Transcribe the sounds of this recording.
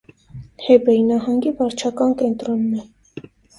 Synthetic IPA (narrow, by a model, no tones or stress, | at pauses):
hɛbɛinɑɦɑŋɡivɑɾt͡ʃʰɑkɑnkɛnt̪ɾɔnːɛ